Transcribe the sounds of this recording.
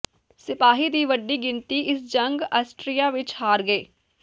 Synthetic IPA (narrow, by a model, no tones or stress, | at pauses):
sɪpaːɦiːd̪iːʋəɖːiːɡɪnt̪iːʔɪsd͡ʒəŋɡəːsʈɾijaːʋɪt͡ʃhaːɾɡəeː